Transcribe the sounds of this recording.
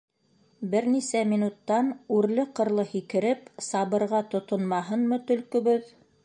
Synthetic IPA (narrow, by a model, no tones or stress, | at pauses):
bɘɾnisæmʲinut̪ːɑnʉɾlɘqɤ̆ɾlˠɤhikɘ̆ɾɘpsɑβɤ̆ɾʁɑt̪ŏt̪ŏnmɑɦɤnmɤt̪ɵ̆lkɵ̆βɵð